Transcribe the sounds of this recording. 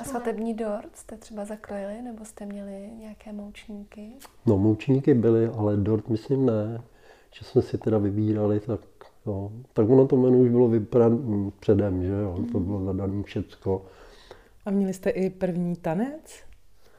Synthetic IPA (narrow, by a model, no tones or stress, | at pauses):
asvat̪ɛbɲiːdoɾt̪st̪ɛt̪r̥ɛbazakɾojɪlɪnɛbost̪ɛmɲɛlɪɲɛjakɛːmowt͡ʃɲiːkɪnomowt͡ʃɲikɪbɪlɪʔalɛdoɾt̪mɪslimnɛ | ʒ̥ɛsmɛsɪt̪ɛdavɪbiːɾalɪt̪aknot̪akvonot̪omɛnuuʒbɪlovɪpaɾapr̥ɛdɛmʒɛjot̪obɪlozadaniːfʃɛt̪t͡sko | ʔamɲɛlɪst̪ɛʔɪpr̩vɲiːt̪anɛt͡s